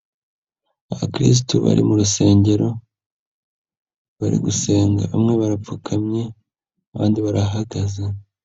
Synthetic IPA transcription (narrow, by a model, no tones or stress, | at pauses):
aβakɾḭs̬tuβa̰ɾʔḭmuɾuse̞ːɲɟe̞ɾo̞ | βaɾḭɡuse̞ːŋɡa̰βamŋe̞βaɾafukʰamɲe̞ | βaːndiβaɾaɦaɡaze